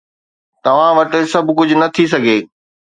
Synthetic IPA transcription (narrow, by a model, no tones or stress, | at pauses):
t̪ɐʋ̤ãʋɐʈə̆sɐbʱkʊd͡ʑʱʊnɐt̪ʰis̬ɐɡʱeː